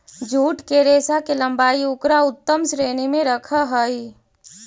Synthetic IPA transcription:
d͡ʒʱuːʈkeɾeːsakelə̃mbaːiʊkɾaʊt̪ːəmsɾeːnimẽɾəkʰəɦəi

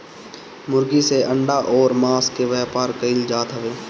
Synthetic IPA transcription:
mʊɾɡiseʔə̃ɳɖaʔɔːɾmaːskeʋɛːpaːɾkəɪld͡ʒaːt̪ɦəʋeː

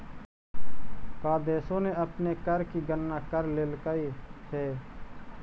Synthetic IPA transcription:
kaːd̪eːsõneəpnekəɾkiɡənːakəɾleːlkəiɦɛː

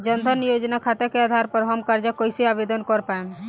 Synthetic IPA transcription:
d͡ʒənd̪ʱənijod͡ʒnakʰat̪ekead̪ʱaɾpəɾɦɔmkaɾd͡ʒakojsiabed̪ɔnkɔɾpaen

